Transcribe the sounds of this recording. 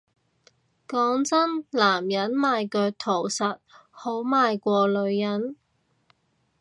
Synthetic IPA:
kɔː˨˥ŋt͡sɐ˥nlaː˨˩mjɐ˨˥nmaː˨˧jkœː˧k̚t̪ʰo˨˩wsɐ˨t̚ho˨˥wmaː˧jkʷɔː˧lɵ˨˧ɥjɐ˨˥n

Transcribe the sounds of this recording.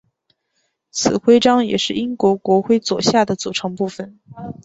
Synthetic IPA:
t͡sʰɹ̩˨˩xwe˥ɪʈ͡ʂɑ˥ŋjɛ̰˨˩ʂɻ̩˥˩i˥ŋkwɔ˧˥kwɔ˧˥xwe˥˩ɪt͡swɔ̰˨˩ɕja˥˩d̪ə˩t͡su˨˩ʈ͡ʂʰɤ˧˥ŋpu˥˩fə˩n

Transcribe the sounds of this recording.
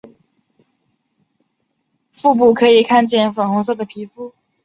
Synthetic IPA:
fu˥˧p̬u˥˩kʰɤ˧˥i˨˩kʰa˥˧nt͡ɕjɛ˥˩nfa˨˩ŋxɔ˧˥s̬ɤ˥˩d̪ə˩pʰi˧˥fu˥˩

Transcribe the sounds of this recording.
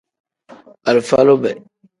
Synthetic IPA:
a˨lfa˦lo˦bɛ˨

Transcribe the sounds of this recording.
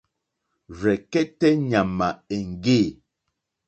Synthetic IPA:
ɾɛ˨kɛ˦tɛ˦ɲa˨ma˨e˨ŋ̩˨ɡe˦˨

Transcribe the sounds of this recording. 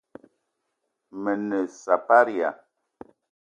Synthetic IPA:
mə˨nə˨sa˨pa˦ɾi˨a̰˨

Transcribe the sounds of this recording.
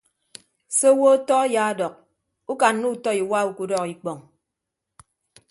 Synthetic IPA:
se˦wo˦tɔ˦ja˨˦dɔ˨k̚ | u˦ka˨n˦nu˦˨tɔ˦i˨wa˦u˦ku˦dɔ˦ki˨k͡pɔ˨ŋ

